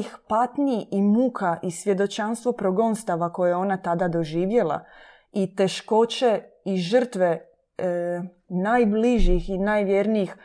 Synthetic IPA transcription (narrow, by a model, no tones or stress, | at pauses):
ixpat̪niiʔimukʰaʔisʋje̞d̪o̞t͡ʃanst̪ʋo̞pɾoɡo̞nst̪aʋako̞jeo̞nat̪ad̪ad̪o̞ʒiːʋje̞lˠa̰ | it̪e̞ʃko̞t͡ɕe̞ | iʒər̩t̪ʋe̞ | najbliʒixinaːjʋjeɾniix